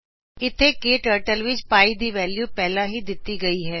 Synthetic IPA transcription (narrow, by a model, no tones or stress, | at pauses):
ɪt̪ʰːeːkeːʈəːɾʈəlʋɪt͡ʃpaːiːd̪iːʋɛːljuːpɛːlãːɦiːd̪ɪt̪ːiːɡəiːɦɛː